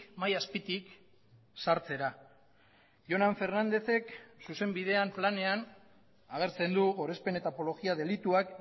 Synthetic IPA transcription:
majaspit̪ik | saɾt͡se̞ɾa | ʝo̞naɱfe̞ɾnand̪e̞θe̞ksuse̞mbiðe̞amplane̞an | aɣ̞e̞ɾt͡se̞nd̪uɣo̞ɾe̞spe̞ne̞t̪apo̞lo̞ɣiaðe̞lit̪uak

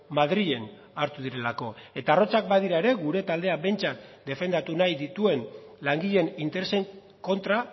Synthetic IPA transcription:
maðɾie̞n | aɾt̪uðiɾe̞lako̞e̞t̪aːro̞t͡sak̚baðiɾae̞ɾe̞ɣuɾe̞t̪ald̪e̞abe̞jnt͡sat̪d̪e̞fe̞nd̪at̪unajðit̪ue̞nlaŋɡiʎe̞nint̪e̞ɾe̞se̞ŋ | ko̞nt̪ɾa

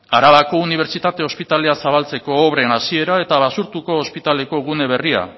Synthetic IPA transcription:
aɾaβako̞uniβ̞e̞ɾt͡ʃit̪at̪e̞o̞spit̪ale̞asaβalt͡se̞ko̞ːβɾenasie̞ɾae̞t̪aβ̞asuɾt̪uko̞ːspit̪ale̞ko̞ɣune̞β̞e̞ria̰

